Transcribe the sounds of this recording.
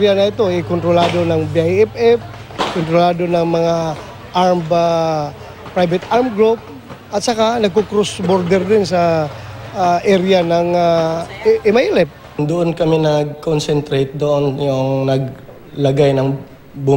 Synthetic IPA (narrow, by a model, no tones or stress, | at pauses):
ɾjanɐɪt̪oɪkont̪ɾolaːd̪o̞nɐŋbiajɛpɛf | kont̪ɾolaːd̪onɐŋmɐŋa | ʔaɾmba | pɾajbɪt̪aɾmɡɾop̚ | ʔɐt̪̚sɐkanɐɡ̚kokɾosboɾd̪ɛɾd̪ɪnsɐ | ʔɛɾɪanɐŋa | ʔɛmajlɛp̚ | ŋd̪ʊʔonkɐmɪnɐɡ̚konsɛnt̪ɾejt̪̚d̪oʔonjʊŋnɐɡ̚ | lɐɡajnɐŋ | bu